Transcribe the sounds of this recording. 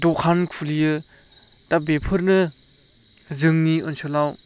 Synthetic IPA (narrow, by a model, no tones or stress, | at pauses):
dɔkʰankʰulijɯ | tabepʰɯɾnɯ | zɯŋniɔnsʰolaw